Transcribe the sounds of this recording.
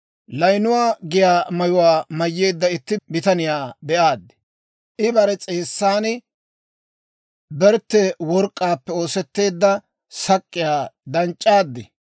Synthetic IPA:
lɐjnʊwaːɡɪjaːmɐjʊwaːmɐjːe̞ːd̪ːɐɪt̪ːɪbɪt̪ɐnɪjaːbɛʔaːd̪ːɛ̥ | ʔɪbɐɾɛt͡sʼeːsːaːnɪ | bɛɾt̪ːɛwɔɾkʼːaːpːɛo̞ːsɛt̪ːe̞ːd̪ːɐ | sɐkʼːɪjaːd̪ɐnt͡ʃʼːaːd̪ːɪ

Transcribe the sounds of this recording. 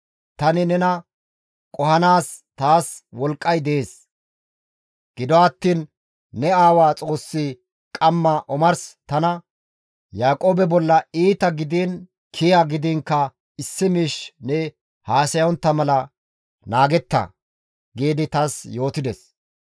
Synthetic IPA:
t̪ɐnɪnɛnɐ | kʼɔhɐnaːst̪aːswɔlkʼːɐjd̪ɛʔeːs | ɡ̥ɪd̪ɔɐt̪ːiːnː | ɛaːwaːt͡sʼo̞ːsːi | kʼɐmːɐʔɔmɐɾst̪ɐnɐ | jaːkʼoːbɛbɔlːɐiːt̪ɐɡɪd̪iːn | kʰɪjɐɡɪd̪iːŋkːɐ | ɪsːɪmiːʃnɛ | haːsɐjɔnt̪ːɐmɐlɐ | naːɡɛt̪ːɐ̰ | ɡiːd̪ɪt̪ɐsjo̞ːt̪ɪd̪ɛs

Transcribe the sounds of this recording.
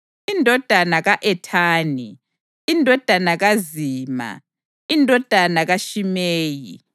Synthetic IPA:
indʱɔd̥ʱanaɣaʔɛtʰaːni | indʱɔd̥ʱanaɣaziːma̰ | indʱɔd̥ʱanaɣaʃimeːjḭ

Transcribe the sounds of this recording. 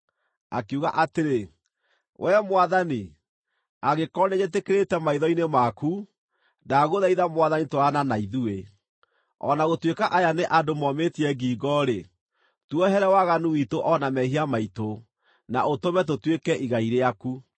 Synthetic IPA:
a̰keuɣaʔateɾe | wʔɛmowaðani | aɣekɔneɲet̬ekeɾetɛmaiðɔinemaku | daɣoðaiðamwaðanitoɾananaiðue | ɔ̰naɣotwekaʔajaneʔadomɔmetiɛɡiːɡɔɾe | twɔɦɛɾɛwaɣanuwitoʔɔnamɛɦiamaito | naʔotomɛtotwekɛʔiɣaiɾeaku

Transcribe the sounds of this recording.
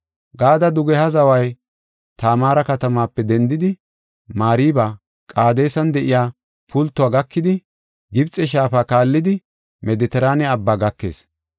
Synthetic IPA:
ɡaːd̪ɐd̪ʊɡɛhɐzɐwɐj | t̪aːmaːɾɐkɐt̪ɐmaːpːɛd̪ɛnd̪ɪd̪ɪ | maːɾiːbaː | kʼaːd̪e̞ːsɐnd̪ɛʔɪjaː | pʊlt̪ːʊwaːɡɐkːɪd̪ɪ | ɡɪbt͡sʼɛʃ̬aːfaːkaːlːɪd̪ɪ | mɛd̪ɛt̪ɛɾaːnɛɐbːaːɡɐkːe̞̰ːs

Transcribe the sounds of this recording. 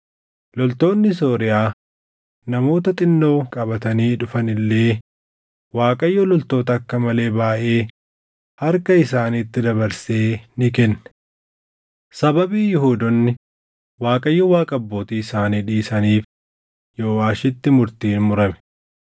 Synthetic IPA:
lɔlt̪o̞ːnːɪs̬oːɾɪjaː | nɐmo̞ːt̪ɐt̪ʼɪnːo̞ːkʼɐbɐt̪ɐniːᶑʊfɐnɪlːe̞ː | waːkʼɐjːɔlɔlt̪o̞ːt̪ɐːkːɐmɐle̞ːbaːʔe̞ː | hɐɾkɐɪsaːnit̪ːɪd̪ɐβɐɾse̞ːnɪkɛnːɛ̥ | sɐbɐbiːjɪhuːd̪ɔnːɪ | waːkʼɐjːɔwaːkʼɐbːo̞ːt̪iːɪsaːniːᶑiːsɐniːf | joːwaːʃɪt̪ːɪmʊɾt̪iːnmʊɾɐmɛ̥

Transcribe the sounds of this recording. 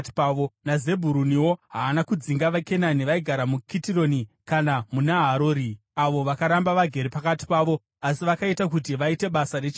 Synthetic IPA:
tpaʋonaze̞bʱuɾuniwo̞ɦaːnakud͡ziŋɡaʋake̞naniʋaiɡʱaɾamukitiro̞nikanamunaɦaɾoːɾi | aʋo̞ʋakaɾambaʋaɡʱe̞ɾipakati̥paːʋo̞ | asiʋakaitakutiʋaite̞ɓasaret͡ʃ

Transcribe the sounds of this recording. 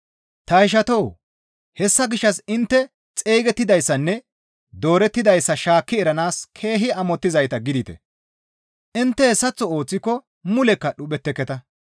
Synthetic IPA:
t̪ɐɪʃ̬ɐt̪ɔw | hɛsːɐɡɪʃːɐsɪnt̪ːɛ | t͡sʼeːɡɛt̪ːɪd̪ɐjsːɐnːɛ | d̪o̞ːɾɛt̪ːɪd̪ɐjsːɐʃaːkːɪɛɾɐnaːskʰe̞ːɦɪɐmɔt̪ːɪzɐjt̪ɐɡɪd̪ɪt̪ɛ̰ | ʔɪnt̪ːɛhɛsːɐt͡sːɔo̞ːt͡sːɪkːɔ | mʊlɛkːɐɗʊɓɛt̪ːɛkːɛt̪ɐ

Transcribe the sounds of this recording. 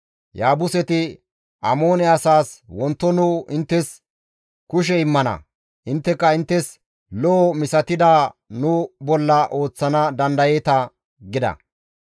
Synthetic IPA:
jaːbʊsɛt̪ɪ | ʔɐmo̞ːnɛɐsaːswɔnt̪ːɔnʊʔɪnt̪ːɛs | kʊʃ̬ɛɪmːɐnɐ̰ | ʔɪnt̪ːɛkːɐɪnt̪ːɛs | lɔːmɪsɐt̪ɪd̪aːnʊbɔlːɐʔo̞ːt͡sːɐnɐd̪ɐnd̪ɐjet̪ɐ | ɡɪd̪ɐ̰

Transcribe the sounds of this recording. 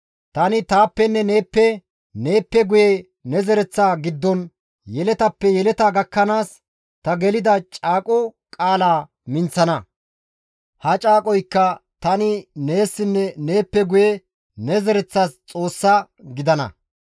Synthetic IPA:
t̪ɐnɪt̪aːpːɛnːɛne̞ːpːɛ | neːpːɛɡʊje | nɛzɛɾɛt͡sːaːɡɪd̪ːɔn | jɛlɛt̪ɐpːɛjɛlɛt̪aɡɐkːɐnaːs | t̪ɐɡɛlɪd̪ɐt͡ʃʼaːkʼɔ | kʼaːlaː | mɪnt͡sːɐnɐ | hɐt͡ʃʼaːkʼɔjkːɐt̪ɐnɪne̞ːsːɪnːɛne̞ːpːɛɡʊjɛ | nɛzɛɾɛt͡sːast͡sʼo̞ːsːa | ɡɪd̪ɐnɐ̰

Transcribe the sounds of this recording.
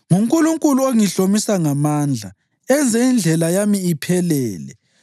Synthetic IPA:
ŋuŋkʼuluŋkʼuluoŋiɬomisaŋamaːnd͡ɮʱa̰ | ɛnd͡zʱɛind͡ɮʱɛlajamiːpʰɛlɛːlɛ̰

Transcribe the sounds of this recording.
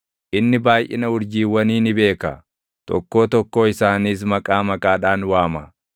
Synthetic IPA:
ʔɪnːɪbaːjʔɪ̰nɐʊɾd͡ʒiːwːɐniːnɪbe̞ːkɐ̰ | t̪ɔ̰kːo̞ːt̪ɔkːo̞ːɪsaːniːs̬mɐkʼaːmɐkʼaːᶑaːnwaːmɐ

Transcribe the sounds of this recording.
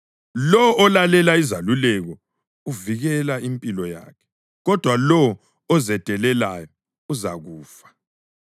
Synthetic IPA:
lɔːlalɛlaizalulɛɣɔ | uviɣɛlaimpʼilɔja̰ːkʰɛ̥ | ɣɔd̥ʱwalɔ | ɔzɛd̥ʱɛlɛlajɔ | uzaɣuːfḁ

